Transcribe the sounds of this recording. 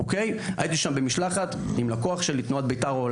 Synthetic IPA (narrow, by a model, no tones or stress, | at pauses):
okeja̰jit̪iʃambemiʃlaχat̪imlakoaχʃelit̪nuat̪̚bejt̪aʁoːl